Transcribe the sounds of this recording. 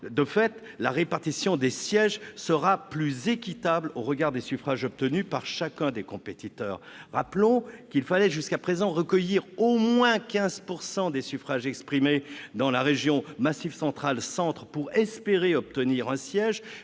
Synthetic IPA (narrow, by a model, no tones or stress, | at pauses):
d̪əfɛt̪ | laʁepaʁt̪isjɔ̃d̪esjɛʒsəʁaplyzekʲit̪abloʁəɡaʁd̪esyfχaʒɔp̚t̪ənypaʁʃakʲɛ̃d̪ekɔ̃pet̪it̪œːʁː | aplɔ̃kilfalɛʒyskapχezɑ̃ʁəkəjiʁomwɛ̃kʲɛ̃zpuʁsɑ̃d̪esyfχaʒɛkspχimed̪ɑ̃laʁeʒjɔ̃masivsɑ̃t̪χalsɑ̃t̪χpuʁɛspeʁeɔp̚t̪əniʁɛ̃sjɛʒ